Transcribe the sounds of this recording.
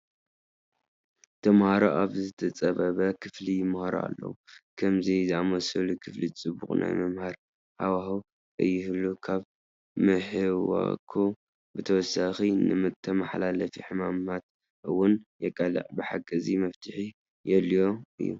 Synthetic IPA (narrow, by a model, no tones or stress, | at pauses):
t̪ʰɐmhaɾoʔaβzɨt̪ʰɐt͡sʼɐβɐβɐkʰɨflijɪmhaɾo̰a̰lːɐ̰wukʰɐmziziamɐsɐlukʰɨflit͡sʼɨbːuχʼnʔa̰jmɐmhaɾ | hawahu | ʔɨjːɪhɨlukʰaβ | mɨħɨwɐ̰kʰu | bɨt̪ʰɐwɔsaxinɨmɨt̪ʰːɐmaħlalɐfiħɨmamat̪ | ʔɨwːʊnjɛkʼɐlɨ̰ʕbɨħakʼːɨzimɐft̪ʰɨħi | jɛlijo̞ʔɨ̰jːu